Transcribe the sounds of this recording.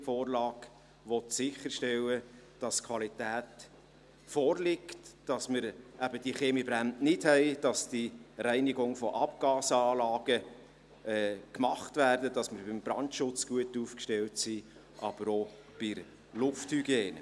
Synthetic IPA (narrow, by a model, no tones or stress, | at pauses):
foːrlɑːɡ̥ | ʋɔt̪sɪχəɾʃtɛlːə | d̥ɑskʰwɑlitæːt | fɔːrlɪktd̥ɑsməɾʔæbəd̥iχeːmibɾænnɪd̥hɛɪd̥ɑsd̥iɾæɪnɪɡʊŋfɔʔɑpɡ̥ɑːsəɑːlɑːɡ̥ə | ɛːkmɑχtvæːrdəd̥ɑsmɪɾbɪmb̥ɾɑntʃʊt͡sɡ̥uətuːfkʃtɛltsi | ʔɑb̥əɾo | b̥ɪɾ | lʊfthyɡjeːn